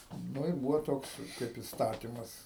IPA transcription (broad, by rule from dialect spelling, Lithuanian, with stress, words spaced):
nʊ ɪr ˈbuːʋoː ˈtoːks kɐɪp ɪstɐˈtʲiːmɐs